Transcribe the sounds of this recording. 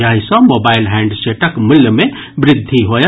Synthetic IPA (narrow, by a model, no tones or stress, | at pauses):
aɦĩsʌ̃mobailɦɛ̃ɳɖseʈəkmɪljəmẽ | bɾɪd̪ʱːiɦoj